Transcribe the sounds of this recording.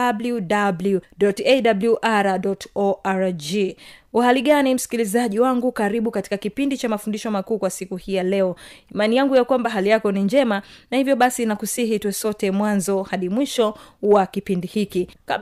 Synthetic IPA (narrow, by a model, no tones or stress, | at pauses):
abludabluɗɔtɛɗabluʔaɾaɗɔtɔʔaɾd͡ʒiwahaliɠanim̩si̥kilizaʄiwaŋɡukaɾiɓukati̥kakipindit͡ʃamafundiʃɔmakuːkwasikuhijalɛɔimanijaŋɡujakwambaɦalijakɔniɲd͡ʒɛmanahivjɔɓasinakusiɦitwɛsɔtɛmwanzɔhaɗimwiʃɔwakipindihikika